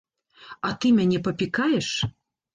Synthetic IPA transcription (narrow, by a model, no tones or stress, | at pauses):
ɐt̪ɨmʲanʲɛpɐpʲikajɛʂ